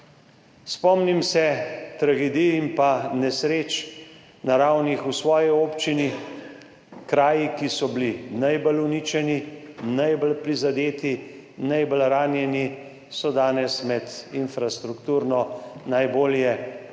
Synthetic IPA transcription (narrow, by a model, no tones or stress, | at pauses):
spɔmnimsɛt̪ɾaɡed̪ijimpanɛsɾeːt͡ʃ | naɾawnixusʋɔːjioːpt͡ʃini | kɾaːjikisɔblinajbəlunit͡ʃɛninajbəlpɾizad̪eːt̪i | najbəlɾaːnjɛni | sɔd̪aːnɛsmɛt̪infɾast̪ɾukt̪uːɾnɔnajboːljɛ